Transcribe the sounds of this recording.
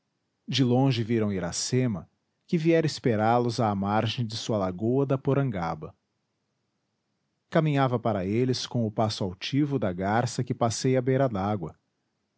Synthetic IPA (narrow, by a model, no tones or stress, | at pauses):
d͡ʒɪlõʒɪviɾɐ̃w̃iɾasẽmɐ | kɪviɛɾɪspeɾalʊzaːmaɾʒẽj̃d͡ʒɪsuɐlaɡoɐd̪ɐpoɾɐ̃ŋɡa̰bɐ | kamĩɲavɐpaɾɐelɪskõʊpasʊawt͡ʃivʊd̪ɐɡaɾsɐkɪpasejɐbeɾɐd̪aɡwɐ